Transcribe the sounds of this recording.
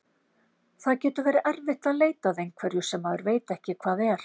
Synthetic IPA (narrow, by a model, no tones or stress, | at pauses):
θaðcɛːt̪ʏvɛːɾɪʔɛɾvɪht̪aðleːjt̪aðejnkʰvɛɾjʏsɛmːaːðʏɾveːjt̪aɛhcɪkʰv̥aːðɛɾ̥